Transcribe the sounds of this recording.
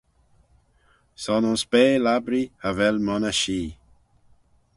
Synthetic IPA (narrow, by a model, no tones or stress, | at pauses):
sɔnʊnspeːlabɾiavɛlmɔnaʃiː